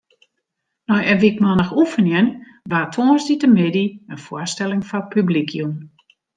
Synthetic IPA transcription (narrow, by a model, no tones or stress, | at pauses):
nɔjəʋikmɔnəxufənjɛn | ʋaːtʰoːsditəmɪdiənfwɔstɛlˠɪŋfɔpʰyblikʰjum